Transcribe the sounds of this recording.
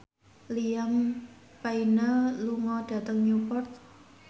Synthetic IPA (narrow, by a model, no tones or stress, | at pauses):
liam | painəluŋɔɖ̥a̤t̪əŋɲupɔrt̪̚